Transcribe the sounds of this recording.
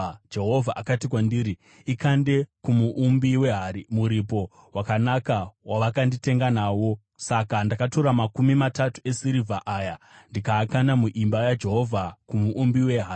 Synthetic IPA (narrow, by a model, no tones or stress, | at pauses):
d͡ʒe̞ɦo̞vʱaʔakatikwandiːɾi | ikande̞kumuʔumbiweɦaimuɾipo̞ | wakanakawaʋakandite̞ŋɡanawo̞ | sakandakato̞ɾamakumimatatue̞siɾivʱaʔajandikaːkanamuʔimbajad͡ʒe̞ɦo̞vʱakumuʔumbiwe̞ɦaː